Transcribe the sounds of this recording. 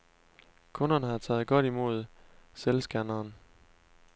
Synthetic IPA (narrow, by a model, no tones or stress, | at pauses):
kʰɔ̽nɐnəhɑ̈t͡sʰɛ̰ːð̞̩ˠɡ̥ɒ̽ɾ̥imo̝̰ð̞̰ˠselsɡ̥ænɐːn